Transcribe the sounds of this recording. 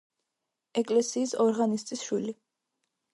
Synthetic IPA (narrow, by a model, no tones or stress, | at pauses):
ɛkʼlɛsiːsɔɾʁanist̪ʼisʃwili